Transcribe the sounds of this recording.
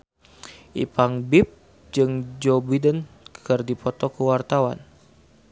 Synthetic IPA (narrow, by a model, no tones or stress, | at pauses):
ʔḭpaŋbip̚ | d͡ʒɨŋd͡ʒɔbidənkkʰɨrdipɔt̪ɔkuwart̪awa̰n